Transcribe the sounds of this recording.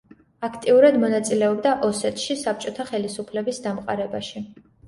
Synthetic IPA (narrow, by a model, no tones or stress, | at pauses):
akʰt̪ʼiuɾad̪mɔnat̪sʼilɛɔbd̪aʔɔsɛt̪ʰʃisap̚t͡ʃʼɔt̪ʰaχɛlisupʰlɛbisd̪amqʼa̰ɾɛbaʃi